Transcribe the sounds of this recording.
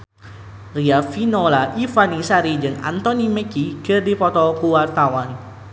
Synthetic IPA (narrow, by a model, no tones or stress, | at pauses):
riafinɔlaʔifanisaɾid͡ʒɨŋa̰nt̪ɔnimɛkikərdipɔt̪ɔkuwart̪awan